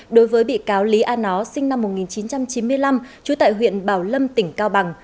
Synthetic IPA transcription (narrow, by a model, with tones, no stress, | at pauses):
ɗo˨˦jvəː˨˦jɓḭ˧˨kaː˨˦wli˨˦ʔaː˧nɔ˨˦sï˧ŋ̟na˧mːo˨˩t̚ŋi˨˩nt͡ɕi˨˦nt͡ɕa˧mt͡ɕi˨˦nmɨ˧əjla˧mt͡ɕu˨˦t̪a̰ː˧˨jɦwḭ˧˨ənɓaː˧˩wlə˧mt̪ï˧˩ŋ̟kaː˧wɓa˨˩ŋ